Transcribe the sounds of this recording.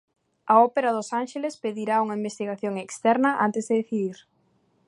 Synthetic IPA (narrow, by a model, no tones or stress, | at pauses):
ɐɔpeɾɐðʊsanʃelespeðiɾauŋɐimbest̪iɣaθjoŋekst̪ɛɾnɐʔa̰nt̪ezðeðeθiðiɾ